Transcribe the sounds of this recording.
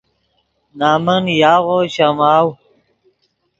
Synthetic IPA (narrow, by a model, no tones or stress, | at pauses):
naːmənjaːʁoɕamaːw